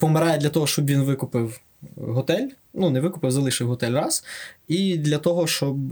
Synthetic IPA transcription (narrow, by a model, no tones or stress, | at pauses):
pɔmeɾɑjɛd̪lʲɐt̪ɔɦɔʃt͡ʃɔbʋʲinʋɪkʊpɪw | ɦɔt̪ɛlʲ | nunɛʋɪkʊpɪwzɐlˠɪʃɪwɦɔt̪ɛlʲrɑsid̪lʲɐt̪ɔɦɔʃt͡ʃɔb